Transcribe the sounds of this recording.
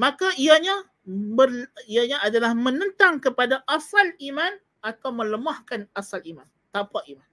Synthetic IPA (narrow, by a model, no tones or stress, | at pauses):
mãkaiaɲã | bəriaɲãadalahmə̃nə̃nt̪aŋkəpadaʔasalimãn | at̪awmə̃ləmahkanasaliman | t̪apaʔiman